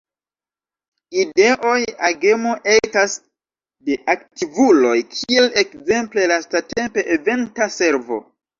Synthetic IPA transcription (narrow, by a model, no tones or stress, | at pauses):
ide̞ʔo̞jaɡe̞moʔetas | de̞ʔak̚tivulo̞jkʰie̞lekze̞mple̞lastate̞mpe̞ʔeve̞ntase̞ɾvo̞̰